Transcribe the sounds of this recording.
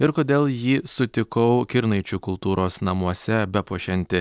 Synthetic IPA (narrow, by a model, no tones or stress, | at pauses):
ɪɾkoːd̪ʲeːlˠjiːsʊt̪ʲɪkɐʊkʲɪɾnɐɪt͡ʃʲʊkʊlˠt̪uːɾoːsnɐmuɔsʲɛbʲɛpuɔʃʲɛnʲt̪ʲɪ